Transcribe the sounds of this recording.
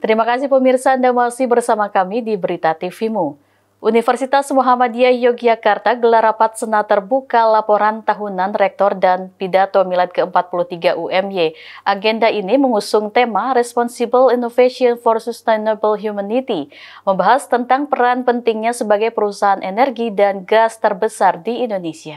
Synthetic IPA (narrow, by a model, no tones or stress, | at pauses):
t̪əɾimakasihpəmirsaəndamasɪhbərsamakamidibəɾit̪at̪ifimu | ʔunifərsit̪asmoɦamadiajɔɡd͡ʒakart̪aɡəlarapat̪̚sənat̪ərbukalapoɾant̪aɦunanrɛk̚t̪ɔrdanpidat̪omilat̪̚kəəmpat̪̚puluht̪iɡaʔuʔɛmjeʔaɡɛndaʔiniməŋusʊŋt̪emaɾɛspɔnsibəlinofesiɔnfɔrsust̪anobəlɦjumanit̪iməmbaɦast̪ənt̪aŋpəɾanpənt̪ɪŋɲasəbaɡajpəɾusaɦanʔenɛrɡidanɡast̪ərbəsardiːndonesia